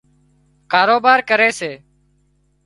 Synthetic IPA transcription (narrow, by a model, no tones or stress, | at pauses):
kaːɾoːbaːɾkəɾeːseː